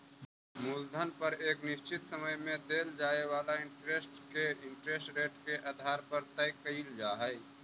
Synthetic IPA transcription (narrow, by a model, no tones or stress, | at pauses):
muld̪ʱənpəɾeːknɪʃt͡ʃɪt̪səməjmẽd̪eːld͡ʒaːewaːlaɪ̃ɳʈɾeːsʈkeɪ̃ɳʈɾeːsʈɾeːʈkeʔaːd̪ʱaːɾpəɾt̪əjkəild͡ʒaːɦɛj